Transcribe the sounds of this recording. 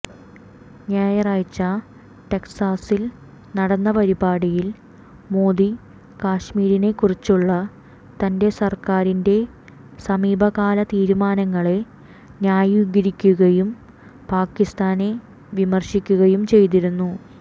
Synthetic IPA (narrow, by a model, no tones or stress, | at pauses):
njaːjɐraːjt͡ɕːɐ | ʈe̞ksaːsil | nɐɽɐnːɐpɐɾibaːɽijil | mo̞ːd̪i | kaːɕmiːɾine̞kːurit͡ɕːuɭːɐ | t̪ɐnde̞sɐrkaːɾinde̞ | sɐmiːbʱɐɣaːlɐt̪iːɾumaːnɐŋːɐɭe | njaːjuːɡɐɾikʲːuɣɐjum | paːkːist̪aːne | ʋimɐrɕikʲːuɣɐjumt͡ɕe̞jt̪̬iɾunːu